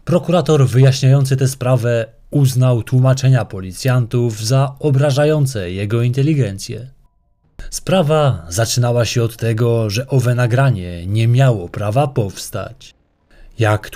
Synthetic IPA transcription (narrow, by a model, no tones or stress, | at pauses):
pɾɔkuɾat̪ɔɾvɘjaɕɲajɔnt̪sɘt̪ɛspɾavɛ | uznawt̪wumat͡ʂɛɲapɔlʲit̪sʲjant̪uvzaɔbɾaʐajɔnt̪sɛjɛɡɔint̪ɛlʲiɡɛnt̪sʲjɛ̰ | spɾavazat͡ʂɘnawaɕɛɔt̪ːɛɡɔʐɛʔɔvɛnaɡɾaɲɛɲɛmʲjawɔpɾavapɔfst̪a̰t͡ɕ | jak